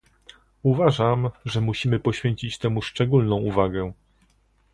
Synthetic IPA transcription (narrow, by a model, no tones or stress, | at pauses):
uvaʐamʐɛmuɕimɘpɔɕfʲeɲt͡ɕit͡ɕt̪ɛmuʂt͡ʂɛɡulnɔ̃w̃uvaɡɛ